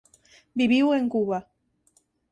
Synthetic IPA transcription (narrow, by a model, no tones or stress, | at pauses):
biβiweŋkuwa